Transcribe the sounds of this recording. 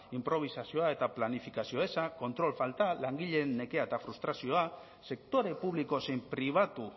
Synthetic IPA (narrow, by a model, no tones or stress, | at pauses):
impɾo̞β̞isasio̞ae̞t̪aplanifikasioesako̞nt̪ɾo̞lfalt̪alaŋɡiʎe̞nnːe̞ke̞aet̪afɾust̪ɾasioa | se̞kt̪o̞ɾe̞puβliko̞sempɾiβ̞at̪u